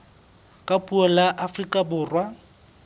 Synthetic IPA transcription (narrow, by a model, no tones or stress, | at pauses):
kʼapʼuɔlaʔafrikʼabʊːrwa